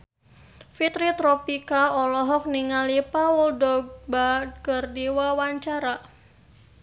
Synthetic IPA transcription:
fit̪ɾit̪ɾɔpikaɔlɔɦɔk̚niŋalipauldɔɡbakərdiwawaɲt͡ʃaɾa

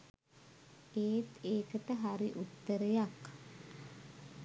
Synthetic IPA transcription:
eːt̪eːkəʈəɦaɾiʔut̪ːəɾəjak

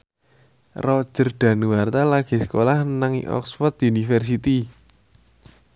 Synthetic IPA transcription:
rɔ̥ʒ̥ərɖ̪̥a̤nuwart̪alaɡ̥e̤sə̥kolahnaŋḭʔɔ̰ksfɔrt̪unifərs̬it̪i

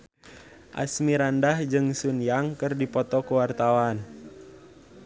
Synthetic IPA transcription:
ʔa̰smiɾandahd͡ʒɨŋsunjaŋkɨrdipɔt̪ɔkuwart̪awan

